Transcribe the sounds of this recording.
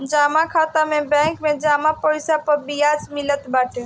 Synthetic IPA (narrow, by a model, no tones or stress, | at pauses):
d͡ʒamakʰat̪amebɛ̃kmed͡ʒamapɔɪsapəɾbijad͡ʒmilət̪baʈʰe